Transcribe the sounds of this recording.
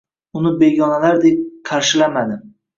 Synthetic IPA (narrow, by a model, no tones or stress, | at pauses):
ʊnɪbe̞ɡʲɒnalaɾd̪e̞k̚ʲqʰɑɾʃɪlamad̪ɪm